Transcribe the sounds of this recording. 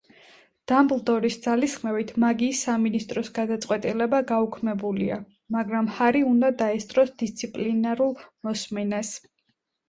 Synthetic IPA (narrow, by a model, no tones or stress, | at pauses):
d̪̥amblˠd̪ɔɾisd̪z̥alisχmɛvit̪ʰmaɡiːsːaminist̪ʼɾɔsɡad̪at̪sʼqʼwɛt̪ʼilɛbaɡaukʰmɛbulḭa̰ | maɡɾamhaɾiund̪ad̪aɛst̪ʼɾɔsd̪ist̪sʰipʼlinaɾulˠmɔsmɛnɛs